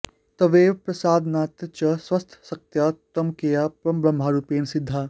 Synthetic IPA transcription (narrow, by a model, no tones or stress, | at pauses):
t̪ɐʋeːʋpɾɐsaːd̪naːt̪ɐt͡ʃɐswɐst̪ʰsɐk̚t̪jat̪ɐmkejaːpɾɐmbɾɐmbʱaːɾuːpeːnsɪd̪ʱːaː